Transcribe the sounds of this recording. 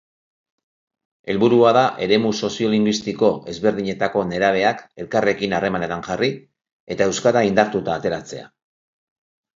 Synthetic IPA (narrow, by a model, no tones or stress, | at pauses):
e̞lβuɾuaðaʔe̞ɾe̞muso̞sio̞liŋɡwist̪iko̞e̞zβe̞ɾðiɲe̞t̪ako̞ne̞ɾaβ̞e̞ake̞lkare̞kinare̞mane̞t̪aŋʝari | e̞t̪ae̞wskaɾaind̪aɾt̪ut̪aːt̪e̞ɾat͡se̞a̰